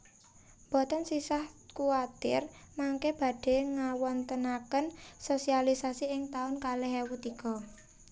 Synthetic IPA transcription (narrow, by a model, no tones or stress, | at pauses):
mb̥ɔ̤t̪ɔnsisahkuat̪ɪ̰rmaŋkeb̥a̤ɖ̥e̤ŋawɔnt̪ənakənsosialisasiɪŋt̪aʊnkaleɦewut̪ikɔ